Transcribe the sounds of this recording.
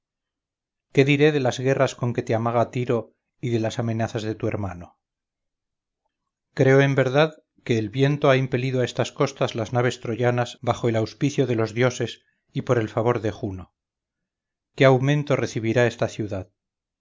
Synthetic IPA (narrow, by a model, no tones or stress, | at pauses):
ke̞ðiɾe̞ðe̞lazɣe̞rasko̞ŋke̞t̪eamaɣ̞at̪iɾo̞ | iðe̞lasamẽ̞naθazðe̞t̪ue̞ɾmano̞ | kɾe̞oe̞mbe̞ɾðað | ke̞ːlβje̞nt̪o̞aimpe̞liðoaest̪asko̞st̪azlaznaβ̞e̞st̪ɾo̞ʝanazβaχo̞elawspiθjo̞ðe̞lo̞zðjo̞se̞s | ipo̞ɾe̞lfaβ̞o̞ɾðexuno | ke̞awmẽ̞nt̪o̞re̞θiβiɾae̞st̪aθjuðað